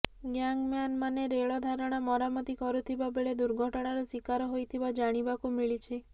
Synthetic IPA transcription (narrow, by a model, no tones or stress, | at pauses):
ɡjaŋɡmjanmaneɾeɭɔd̪ʱaɾɔɽ̃amɔɾamɔt̪ikɔɾut̪ʰibabeɭed̪uɾɡʱɔʈɽ̃aɾɔsikaɾɔɦojt̪ʰibad͡ʒaɽ̃ibakumiɭit͡ʃʰe